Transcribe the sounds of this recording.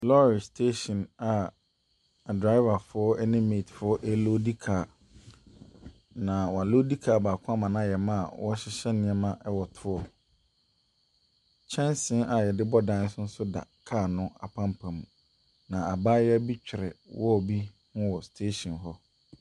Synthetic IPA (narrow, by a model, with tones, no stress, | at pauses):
lɔ˦ɾɪ˨stʰe˦ɕɔ̃˨na˨ | a˨dɾa˦ɪ˦va˨fʊ˨˦ɔ˦ɛ˦nɪ̃˦me˨tʰfʊ˨˦ɔ˦ʔɛ˦lo˦di˦kʰaː˨ | nã˨wɔ˨a˨lo˦di˦kʰaː˨baː˨kʰʊ̃˦a˦mã˨nã˦˨jɛ˨mã˦a˨wɔ˦ɕɪ˦ɕɛ˦nɪ̃˦ɛ˦mã˦ʔɛ˦wɔ˨tʰʊ˦ɔ˨ | t͡ɕʰɛ̃˦nsɪ̃˦na˨jɛ˨dɪ˦bɔ˦dã˦n˦sʊ̃˦n̩˦sʊ˦da̰˨kʰaː˦˨nʊ̃˦a̰˨pʰã˦mpʰã˨mũ˨ | nã˨a˨baː˦jɛ˦æ˦bi˦t͡ɕᶣɪ˨ɾɛ̰˨wɔ˦˨bi˦ | hʊ̃˦wɔ˨stʰe˦ɕɔ̃˨nɦɔ˦